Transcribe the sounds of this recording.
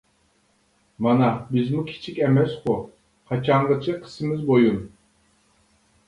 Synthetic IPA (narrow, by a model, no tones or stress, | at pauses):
mɑnabizmukʲʰi̥t͡ʃʰikʲemɛsχu | qʰɑt͡ʃʰaɴʁɯt͡ʃʰɯqʰɨ̥sɨmizbojun